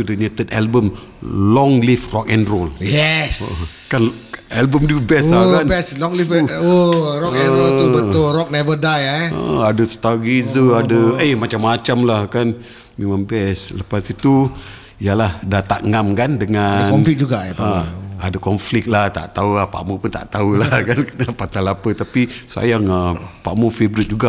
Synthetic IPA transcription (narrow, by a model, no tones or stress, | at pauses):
udəɲət̪ət̪albəm | lɔŋlifrɔk̚ɛndroljɛsokan | ɛlbəmdubɛsakanbɛslɔŋlifoɾɔkɛnɾolt̪ubəʊlɾɔk̚nɛvədajaə̰adəsə̥t̪aɡizəadəəhmat͡ʃamːat͡ʃamlahkan | memãŋbɛsləpasit̪u | ijalahdat̪aʔŋamkandəŋaɔmflik̚d͡ʒuɡaʔaaaadakɔnflɪk̚laht̪a̰ʔt̪auapa̰ʔmupʊnt̪a̰ʔt̪aulahkankənapat̪alapət̪apisa̰jaŋəpa̰ʔmofebɾit̪̚d͡ʒuɡaʔ